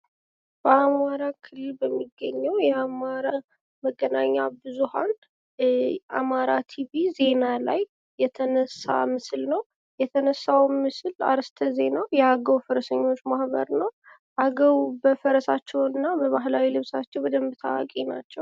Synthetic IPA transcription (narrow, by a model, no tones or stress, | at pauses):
b̥əamaɾakʰɨlɨlbəmːiɡːəɲːɛwjɛamaɾa | məɡːənaɲːabɨzuha̰n | ʔa̰maɾat̪ʰibize̞nala̰jː | ɛt̪ʰənəsːa̰mɨslnəw | jɛt̪ʰənəsːawmɨsla̰ɾst̪ʰəze̞nawjɛaɡəwfəɾəsəɲːo̞t͡ʃːmahbə̰ɾnəw | ʔaɡəwbəfəɾəsat͡ʃːɛwɨnːabəβaɦlawilɨβsat͡ʃːɛwwɔd̪əmbt̪ʰawa̰kʼina̰t͡ʃːɛw